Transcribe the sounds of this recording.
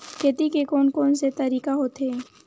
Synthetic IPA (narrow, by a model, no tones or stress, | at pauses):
ket̪ikekɔːnkoːnset̪ɐɾiːkaɦoːt̪ɦeː